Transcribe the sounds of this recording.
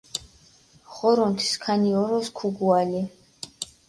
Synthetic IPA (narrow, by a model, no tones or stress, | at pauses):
χɔɾɔnt̪ʰi̥skʰaniɔɾɔskʰuɡuali